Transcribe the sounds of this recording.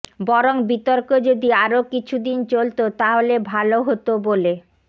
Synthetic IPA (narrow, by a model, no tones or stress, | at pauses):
bɔɾoŋbit̪oɾkod͡ʑod̪iaɾokit͡ɕʰud̪int͡ɕolt̪ot̪aɦolebʱaloɦot̪obole